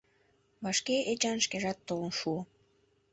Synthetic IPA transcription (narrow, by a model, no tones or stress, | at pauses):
βɑʃkeʔet͡ɕɑnʃkeʒɑt̪ːolə̆nʃuo